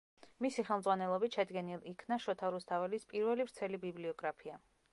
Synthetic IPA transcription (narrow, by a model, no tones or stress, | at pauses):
misiχɛlˠmzʁwanɛlˠɔbit̪ʃɛd̪ɡɛnilˠikʰnaʃɔt̪ʰaɾust̪ʰavɛlispʼiɾvɛlivɾt̪sʰɛlibibliɔɡɾapʰia